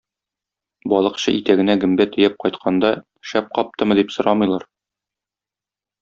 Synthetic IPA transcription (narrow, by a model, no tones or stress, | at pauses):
bɒlˠɤ̆qɕɤʔit̪æɡɘ̆næɡɘ̆mbæt̪ɵ̆jæp̚qɒjt̪qʰɑnd̪ɑ | ʃæp̚qɒp̚t̪ɤmɤ̆d̪ipsŏɾɑmɤ̆jlˠɑɾ